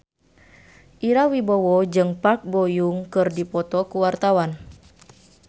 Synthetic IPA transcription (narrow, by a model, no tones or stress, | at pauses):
ʔiɾawibɔwɔd͡ʒɨŋpak̚bɔjuŋkɨrdipɔt̪ɔkuwart̪awan